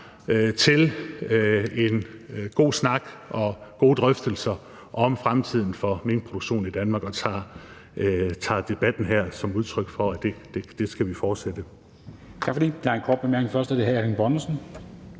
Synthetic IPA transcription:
t͡sʰe̝l | e̝nɡ̥o̝̰ːsnɑ̈ɡ̥ɒ̽ɡ̥o̝̰ːd̥ʁœfd̥əl̩sɐ | ʔɒ̽mfʁamt͡sʰið̞̰ˠn̩fɒ̽menpʰʁo̝doɡ̥ɕo̝̰ːn̩id̥ænmɑ̈ːɡ̥ɒ̽t͡sʰɑ̰̈ | t͡sʰɑ̰̈d̥e̝b̥æd̥n̩ɦæɐ̰sɒ̽muð̞ˠt͡sʰʁœɡ̥fɒ̽æd̥ed̥ed̥e̝sɡ̥æʋifɒːd̥sed̥ə | t͡sʰɑ̈ɡ̥fɒd̥ḭːd̥eæɐenkʰɒːd̥̚b̥emeɐɡ̥neŋfɶɐsd̥æd̥ehææʁinb̥ɒnsn̩

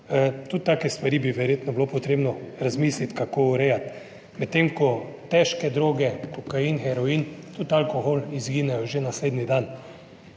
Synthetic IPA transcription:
t̪ut̪̚ːaːkɛst̪ʋaɾibiʋɛɾjeːt̪nɔblopɔt̪ɾeːbnɔɾazmiːslit̪kakouɾɛjat̪ | mɛt̪ːemkɔt̪ɛʃkɛd̪ɾoːɡɛkɔkainxɛɾɔiːnt̪ut̪alkoxolizɡiːnɛjɔʒenasleːd̪nid̪an

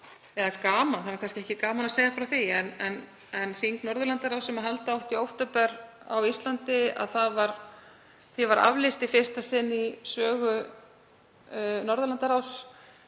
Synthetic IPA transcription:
ɛðakaːmanθanvaɾkʰanscɪɛhcɪkaːmanaseːjɣafɪɾawθiɛnɛn | ɛnfiŋknɔɾðʏlant̪aɾawsɛmaɦɛlt̪aawht̪iowht̪ɔpɛɾ | a̰wist̪lant̪ɪa̰ðθaðvaɾ | θivaɾa̰vlɪst̪ifɪ̥st̪asɪnːisœːɣʏ | nɔɾðʏlant̪aɾaws

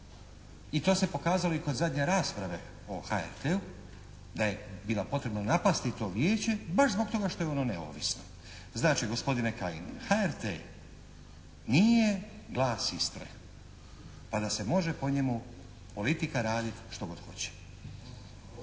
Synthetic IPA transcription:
it̪o̞ːse̞po̞kaːzalo̞iko̞d̪zad̪ɲe̞ɾaːspɾaʋe̞ | o̞xaḛɾt̪eu | d̪aje̞biːlˠapo̞t̪ɾe̞bnanapast̪it̪o̞ːʋjeːt͡ɕe̞baʃzbo̞ɡ̚t̪o̞ɡaʃt̪o̞jeo̞no̞neo̰ːʋisno̞ | znaːt͡ʃiɡo̞spo̞d̪inekainexaeɾt̪ḛ | niːje | ɡlˠaːsist̪ɾḛx | pad̪ase̞mo̞ʒe̞po̞ɲe̞mu | po̞lit̪ikaɾaːd̪it̪ʃt̪o̞ɡo̞d̪̥xo̞̰t͡ɕe̥

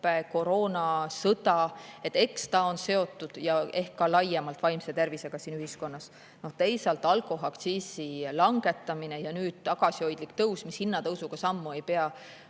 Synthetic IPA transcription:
e̞ko̞ɾo̞ːnɑsɤt̪ɑe̞t̪ːˑe̞kst̪ɑo̞nse̞o̞t̪ːˑud̪̥jɑe̞hkːɑlɑjːemɑlt̪vɑjmse̞t̪e̞rvise̞ɡ̥ɑsiːnyhisko̞nːɑs | no̞ht̪e̞jsɑlt̪ːˑɑlkˑo̞ɦɑkt̪siːsilɑŋɡ̥e̞t̪ːˑɑmine̞jɑnyːd̪̥̚t̪ɑɡ̥ɑsio̞jd̪̥likt̪ɤwsmishinːɑt̪ɤwsuɡ̥ɑsɑmːue̞jpe̞ɑ

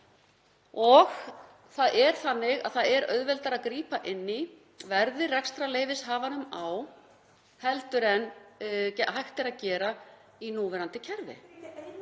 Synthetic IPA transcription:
ɔɣ | θaðɛɾ̥θanːɪɣa̰ðθaðɛɾœ̰ɥðvɛlt̪aɾaðkɾiːpaʔɪnːɪ | vɛɾðɪrɛkst̪ɾaleːjvɪshaːvanʏmaw | hɛlt̪ʏɾɛnːcɛhajht̪ɪɾaðcɛːɾa | inuːvɛɾant̪ɪcʰɛɾvɪ̰

